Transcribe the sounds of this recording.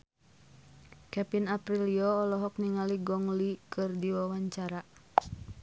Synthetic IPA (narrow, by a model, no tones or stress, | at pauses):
kɛpinapɾiliɔːlɔɦɔk̚niŋaliɡɔŋlikɨrdiwawaɲt͡ʃaɾa